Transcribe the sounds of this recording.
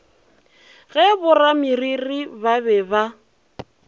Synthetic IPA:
ɣɛbʊramiriribabɛba

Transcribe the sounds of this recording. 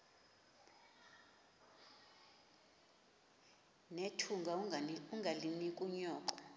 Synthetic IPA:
netʰuŋɡʱauŋɡʱalinikʼuɲɔːǃɔ

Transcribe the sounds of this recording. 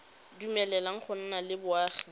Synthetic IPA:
dumɛlɛlaŋ̩χʰʊn̩nalɪbʊaːχi̥

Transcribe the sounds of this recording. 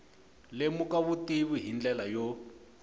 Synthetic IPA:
lemukaβutiβuɦind͡ɮɛlajɔ

